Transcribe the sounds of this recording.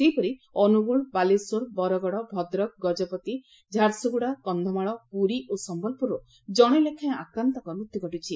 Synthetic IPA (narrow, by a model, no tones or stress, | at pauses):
sejpɔɾiɔnuɡuɭbalesoɾbɔɾɔɡɔɽɔbʱɔd̪ɾɔk̚ɡɔd͡ʒɔpɔt̪i | d͡ʒʱaɾsuɡuɽakɔnd̪ʱɔmaɭɔpuɾiʔosɔmbɔlpuɾɔ | d͡ʒɔɽ̃elekʰãj̃akɾant̪ɔkɔɾmut̪ːikɔʈut͡ʃʰi